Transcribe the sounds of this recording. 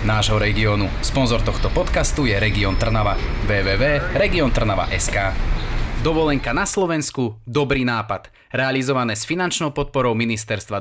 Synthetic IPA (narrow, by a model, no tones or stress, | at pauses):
naːʒɦɔɾɛɡiɔnuspɔnzɔɾt̪ɔxt̪ɔpɔt̪kast̪ujɛɾɛɡiɔnt̪r̩naʋaʋɛːʋɛːʋɛːɾɛɡiɔnt̪r̩naʋa̰ʔɛskaːd̪ɔʋɔlɛŋkanaslɔʋɛnskud̪ɔbɾiːnaːpad̪̥ | ɾɛalizɔʋanɛːsfinant͡ʃnɔʊpɔt̪̚pɔɾɔʊminist̪ɛɾst̪ʋa